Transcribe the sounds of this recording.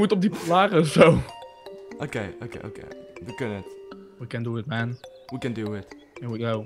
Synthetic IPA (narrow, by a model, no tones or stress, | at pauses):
mutɔp̚diplaːʁəsoʊ | ʔoʊkeɪo̰kḛɪo̰ʊkḛɪdɨkənɪtwikɛ̃nduɪtmɛ̃nwikɨ̃nduɪt | ɛ̃nwiɡoʊ